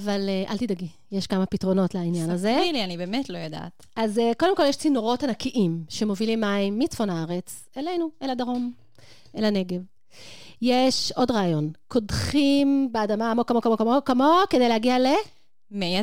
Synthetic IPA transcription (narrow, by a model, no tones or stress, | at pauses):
avaleʔa̰lt̪idaɡi | jeʃkamapitʁo̞no̞tlainjanazeilianibeːmetlo̞joda̰t | azeko̞demko̞ljeɛʃt͡sinoʁo̞thanakiʔimʃe̞mo̞vilimːaimːit͡sfo̞nhaaʁet͡s | elejnueladaʁo̞m | elane̞ɡe̞v | jeʃo̞dʁaːjo̞nkʰo̞dχimbeadamamokamokamokamokamo̞kede̞jleaɡiale̞ | mea